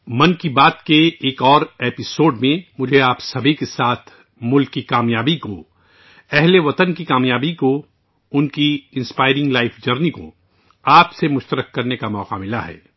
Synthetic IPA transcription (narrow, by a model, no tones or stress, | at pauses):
mɐnkibaːt̪keeːkɔːɾeːpɪsoːɖmẽmʊd͡ʒʱeaːpsɐbʱikesaːt̪ʰ | mʊlkːikaːmjaːbiko | ɛɦleʋɐt̪ənkikaːmjaːbiko | ʊnkiɪ̃nspaːɪɾɪ̃ŋɡlaːɪfʰd͡ʒəɾniko̰ | aːpsemʊʃt̪əɾəkːɐɾnekamɔːqamɪlaɦɛ̰ː